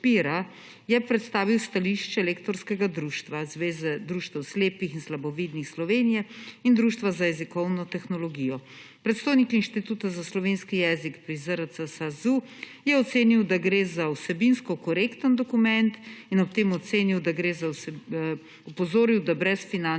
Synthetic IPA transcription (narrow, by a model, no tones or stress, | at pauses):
piɾa | jɛpɾɛt̪st̪aːʋiwst̪aliʃt͡ʃɛleːkt̪ɔɾskɛɡad̪ɾuːʃt̪ʋazʋeːzɛd̪ɾuːʃt̪ɛwsleːpixinslabɔʋid̪nixslɔʋeːnijɛind̪ɾuːʃt̪ʋazajɛzikɔwnɔt̪ɛxnɔlɔɡijɔ | pɾɛt̪st̪oːjnikinʃt̪it̪uːt̪azaslɔʋeːnskijɛːzikpɾizəɾəsəsazu | jɛɔt̪seːniwd̪aɡɾeːzawsɛbinskɔkɔɾekt̪ənd̪ɔkumɛnt̪inɔpt̪eːmɔt̪seːniwd̪aɡɾeːzawsɛ | ɔpɔzoːɾiwd̪abɾɛsfina